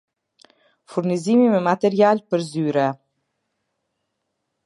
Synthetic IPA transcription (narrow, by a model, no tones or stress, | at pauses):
fuɾnizimimɛmat̪ɛɾialpəɾzyɾɛ